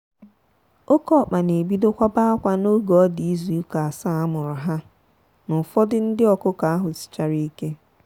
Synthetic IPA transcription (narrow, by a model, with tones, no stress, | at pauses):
o˦kɔ˦˨k͡pa˨ne˨bi˦do˦kʷa˦ba˦a˦kʷa˨no˦ɡɔ˨ɔ˦di˨i˦zu˨˦ka˨a˨sa˦a˦mʊ˨ɾʊ˨ɦa˦ | nʊ˨fɔ˦dɪ˦n̩˦dɪ˦ɔ˨kʊ˦ka˨a˦ɦʊ˨sɪ̥˨t͡ʃa˨ɾi˦i˦ke˦